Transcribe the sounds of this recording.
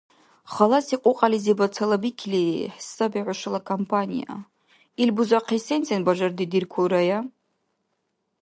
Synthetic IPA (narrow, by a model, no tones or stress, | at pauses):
χalasiqʷʼʊqʼalizibat͡sʰalabikʲʰliħsabiʕʷaʂalakʰompʰanḭja̰ | ilbuzaqʰisent͡sʰʼanbaʒardidirkʷʰuɾaja